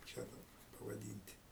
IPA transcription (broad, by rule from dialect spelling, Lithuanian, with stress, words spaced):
kɐɪp ˈt͡ʃʲɛ dɐˈbɐr pɐʋɐˈdʲiːnʲtʲ